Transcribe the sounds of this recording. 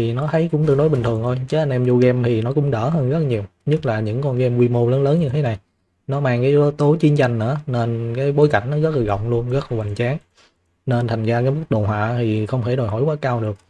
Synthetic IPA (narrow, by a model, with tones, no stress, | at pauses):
i˨˩nɔ˨˦t̪ʰə˨˦jkʊ̰˧˥ŋ͡mt̪ɨ˧əno˨˦jï˨˩ŋ̟t̪ʰɨ˨˩əŋt̪ʰo˧jt͡ɕə˨˦ʔa˧nʔɛ˧mzu˧ɣɛ˧mt̪ʰi˨˩nɔ˨˦kʊ̰˧˥ŋ͡mɗə̰ː˧˩ɦəː˧nɣə˦˥t̚ɲi˨˩əwɲɨ˦˥t̚laː˨˩ɲɨ̰˧˥ŋkɔ˧nɣɛ˧mkwi˧mo˧ləː˨˦nləː˨˦nɲɨ˧t̪ʰe˨˦na˨˩j | nɔ˨˦maː˧˩ŋkaː˨˦jo˨˦t̪o˨˦jt͡ɕi˧ənt͡ɕa˧jŋ̟nɨ̰˧˥əne˧nkaː˨˦jɓo˨˦jka̰˧˩jŋ̟nɔ˨˦ɣə˦˥t̚la˨˩ɣə̰˧˨wŋ͡mlu˧ənɣə˦˥t̚la˨˩wa˨˩jŋ̟t͡ɕaː˨˦ŋ | ne˧nt̪ʰa˨˩jŋ̟zaː˧kaː˨˦jmɨ˦˥k̚ɗo˨˩ɦwa̰ː˧˨t̪ʰi˨˩xə˧wŋ͡mt̪ʰe˧˩ɗo˨˩jɦɔ˧˩jkwaː˨˦kaː˧wɗɨ˨˩ək̚